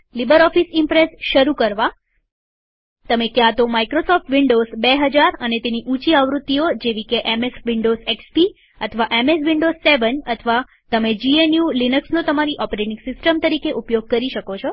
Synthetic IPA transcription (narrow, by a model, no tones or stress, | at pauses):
libəɾɔfisimpɾesʃəɾukəɾʋa | t̪əmekjãt̪omaikɾosɔfʈʋiɳɖozbeɦəd͡ʒaɾənet̪eniʔũt͡ʃiaʋɾut̪ːiod͡ʒeʋikeʔemesʋiɳɖozekspi | ət̪ʰəʋaʔemes̬ʋiɳɖozːeʋənət̪ʰʋa | t̪əmed͡ʒienjulinəksnõt̪əmaɾiʔɔpɾeʈĩŋɡsɪsʈəmt̪əɾikeʔupjoɡ̚kəɾiʃəkot͡ʃʰo